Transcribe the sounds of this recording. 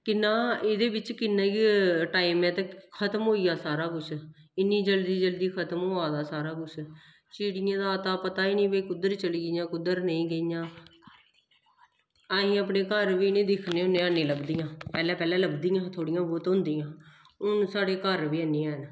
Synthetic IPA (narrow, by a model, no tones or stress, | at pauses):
kɪnːãːeːd̪eːbɪt͡ʃkɪnːẽːkiʈaːiːmɛ̃ːt̪ekʰət̪mɦoːiːjaːsaːɾaːkʊt͡ʃʰ | ɪnːiːd͡ʒəld̪iːd͡ʒəld̪iːkʰət̪mɦoːaːd̪aːsaːɾaːkʊt͡ʃʰ | t͡ʃiːɽɪjãːd̪aːt̪aːpət̪aːiːnə̃ːʋeːkʊd̪əɾt͡ʃəliːɡɪjãːkʊd̪əɾnəĩːɡəijãː | aːɦĩːəpneːkəɾʋiːnẽːd̪ɪkʰneːʊnːẽːaːnẽːləbd̪iːãːpɛːlɛ̃ːpɛːlɛ̃ːləbd̪iːjãːt̪ʰoːɽɪijãːboːt̪ɦʊ̃nd̪iːjãː | ʊnsaːɽeːkəɾʋiːəniːãːɦn